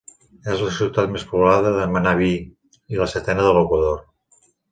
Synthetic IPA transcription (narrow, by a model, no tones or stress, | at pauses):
ɛzləsiwt̪at̪mespuβlaðəðəmanaβi | iləset̪ɛnəðəlokwəðoɾ